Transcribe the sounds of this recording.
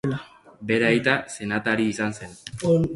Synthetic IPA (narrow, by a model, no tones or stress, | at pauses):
la | be̞ɾajt̪ase̞nat̪aɾiːsanse̞no